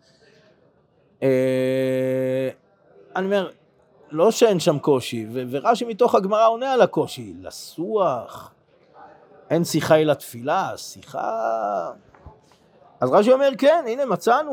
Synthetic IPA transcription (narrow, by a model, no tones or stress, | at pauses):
e | aniomeʁ | lo̞ʃeenʃamko̞ʃiveveʁaʃimit̪o̞χaɡmaʁao̞nealako̞ʃila̰suaχ | ʔensiχaelat̪filasiχa̰ | azʁaʃ̬io̞me̞ʁkenine̞mat͡sanu